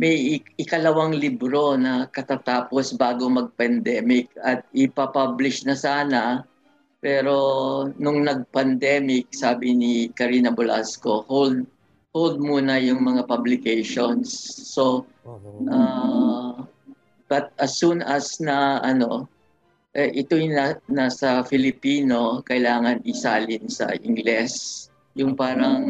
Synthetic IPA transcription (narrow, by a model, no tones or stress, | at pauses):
mɛjʔɪkɐlɐwaŋlibɾo̞nɐkɐt̪at̪aːposbaːɡomɐɡ̚pɐnd̪ɛːmɪk̚ɐt̪̚ɪpɐpablɪʃnɐsaːnɐ | pɛːɾo̞nʊŋnɐɡ̚pɐnd̪ɛmɪk̚saːbɪnɪkɐɾiːnɐbʊla̰sko̞hold̪̚ | hold̪̚muːnɐjʊŋmɐŋapɐblɪkejʃonsːo̞ | ʔa | b̥ɐt̪̚ʔɐsunʔɐsnɐʔɐno̞ | ʔɛʔɪt̪ojnanasɐfɪlɪpiːno̞kɐʔɪlaːŋɐnʔɪsaːlɪnsɐ̰ʔɪ̰ŋɡlɛs | jʊŋpaːɾɐŋ